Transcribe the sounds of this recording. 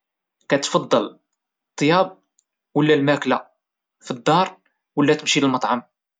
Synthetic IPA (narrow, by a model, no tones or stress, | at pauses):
kæt̪fɑd̪ˤːɑl | t̪ˤːjɑb̚ | wəlːælmækla | fid̪ˤːɑɾˤ | wəlːæt̪əmʃiləlmɑt̪ˤʕɑm